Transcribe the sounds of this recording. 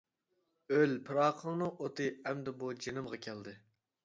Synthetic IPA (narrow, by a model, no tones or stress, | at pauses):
ølpʰɨɾɑːqʰəlˠnɨŋʔot̪ɨɛmd̪ɛbud͡ʒenɨmʁɑkʲʰɛld̪ɨ